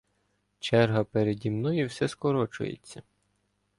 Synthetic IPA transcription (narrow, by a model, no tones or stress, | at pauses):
t͡ʃɛrɦɐpeɾed̪ʲimnɔjiwsɛskɔɾɔt͡ʃʊ̰jḛt͡sʲːɐ